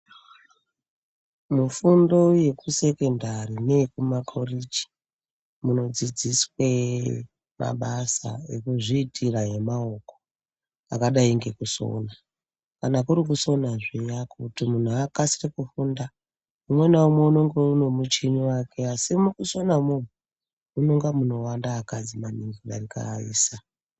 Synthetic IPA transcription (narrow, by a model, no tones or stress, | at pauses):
mufundo̞je̞kuse̞ke̞ndarine̞kumakʰorid͡ʒi̥ | muno̞d͡zid͡ziswe | ma̰ɓasa̰ḛkuʐiːtʰiraɦe̞mao̞ko | akaɗaiŋɡe̞kuso̰na | kanakuɾik̬uso̞naʐijakutimun̤uakasirekufunda | umwe̞naumwe̞uno̞ŋɡeune̞mut͡ʃiniwake̞asimukuso̞namun̤u | uno̞ŋɡamuno̞wandaːkad͡zimaniŋɡiʋarika̰ḭːsa